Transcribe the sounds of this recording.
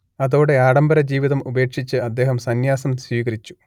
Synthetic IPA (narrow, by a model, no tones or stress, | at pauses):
ɐðo̞ːɽe̞aːɽɐmbɐɾɐd͡ʑiːʋiðɐmube̞ːkʂit͡ɕːɨɐd̪ːe̞ːɦɐmsɐnjaːsɐmswiːɣɐɾit͡ɕːu̥